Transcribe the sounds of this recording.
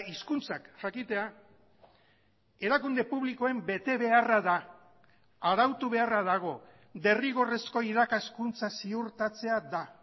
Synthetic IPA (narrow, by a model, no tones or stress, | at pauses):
iskunt͡sakʝakit̪e̞a | e̞ɾakund̪e̞puβ̞liko̞e̞mbe̞t̪e̞βe̞araðaː | ɾawt̪uβ̞e̞arað̞aɣ̞o̞ | d̪e̞riɣo̞re̞sko̞iðakaskunt͡sasiuɾt̪at͡se̞aða